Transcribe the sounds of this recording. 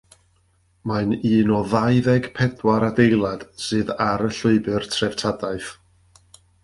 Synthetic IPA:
maɨniːnɔðajðɛɡ̥pʰɛdwaɾadejlˠad̥sɨːðaɾəɬʊɨbɨrtʰrɛv̥tʰadaɨθ

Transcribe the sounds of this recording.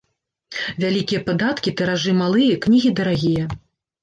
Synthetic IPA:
vʲalʲikʲijɐpad̪at̪kʲit̪ɛɾaʐɨmalˠɨjɐknʲiɣʲid̪ɐɾaɣʲijɐ

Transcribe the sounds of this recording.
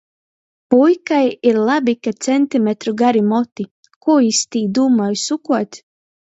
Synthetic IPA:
pujkajiɾlˠabikat̪sɛnt̪imet̪ɾuɡaɾimɔt̪i | kuːjist̪iːd̪uːmɔjsukuɔt̪ʲ

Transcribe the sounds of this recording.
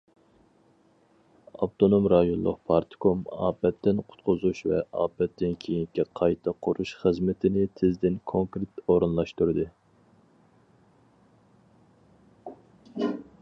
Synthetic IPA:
ɑ̰pt̪ʰonomɾɑjonlˠʊ̰qpʰɑɾt̪ʰkʰomɑ̰ːbɛt̪ːɪnqʰʊ̥t̪qʰʊzuʃvɛ̰ɑːbɛt̪ːɪnkʲʰejinɪkʲːɛqʰɑjt̪ʰɑqʰʊɾuʃχəzmɪt̪ʰɪnɪt̪ʰɪzd̪ɪnkʰoŋkɾet̪oɾɨnlˠɑʃt̪uɾɨd̪ɨ

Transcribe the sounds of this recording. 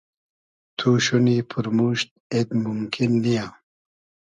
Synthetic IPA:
t̪ʰuɕunipʰuɾmuɕt̪̚et̪mumkʰinːija

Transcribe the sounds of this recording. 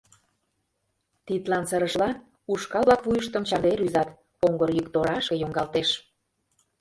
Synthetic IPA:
t̪it̪lɑnsəɾəʃlɑn | uʃkɑβlɑkβujəʃt̪ə̆mt͡ɕɑd̪eɾyzɑt̪ | oŋɡɤɾjykt̪oɾɑʃkɤ̆joŋɡɑlt̪eʃ

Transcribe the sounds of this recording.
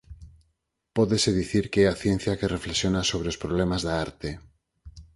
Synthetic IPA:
poðeseðiθiɾkeeaθjẽn̟θjakerʔeflesjonasoβ̞ɾeospɾoβ̞lemazðaaɾt̪e

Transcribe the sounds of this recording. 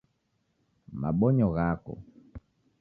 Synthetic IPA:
ma̰ɓɔɲɔɣakɔ̰

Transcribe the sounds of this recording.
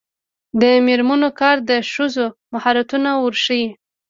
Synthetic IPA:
d̪əmeɾmanokɑɾd̪əʃuzomahɑɾat̪unawuɾʃəji

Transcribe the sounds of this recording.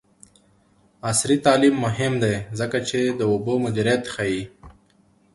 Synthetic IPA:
asɾit̪ɑːlimːʊɦɪmd̪ezəkat͡ʃed̪əʊbomʊd͡ʒ̪iɾjat̪xaji

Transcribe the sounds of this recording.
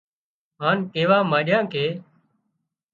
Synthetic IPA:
ɦaːnkeːʋaːmaːɗjãːkʰeː

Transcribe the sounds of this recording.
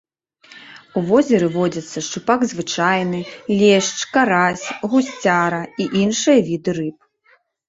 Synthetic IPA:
uvɔzʲɛɾɨvɔd͡zʲɐt̪sːɐʂt͡ʂupaɡzvɨt͡ʂajnɨlʲɛʂt͡ʂkaɾasʲɣusʲt͡sʲaɾɐiʔinʂɨjɐvʲid̪ɨɾɨp̚

